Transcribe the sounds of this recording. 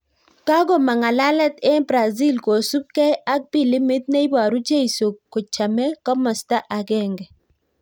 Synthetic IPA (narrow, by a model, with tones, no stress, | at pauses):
ka˦ɡo˨ma˨ŋa˨la˦lɛ˦t̪ɛ˦bɾa˨zi˦lko˨su˦b̚kɛ˦a˦k̚bi˦˨li˦mɪ˦t̪̚na˦i˦ba˨ɾu˦d͡ʒe˦i˨so˨kːo˨t͡ʃa˨mɛ˦kɔ˦mɔ˨sta˦ʔa˨ɡɛ˦˨ŋɡɛ˨